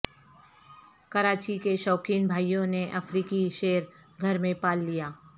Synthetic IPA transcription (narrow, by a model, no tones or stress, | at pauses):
kɐɾaːt͡ʃikeʃɔːkiːnbʱaːjõneʔɐfɾiːkiʃeːəɾ | ɡʱɐɾmẽpaːlːijaː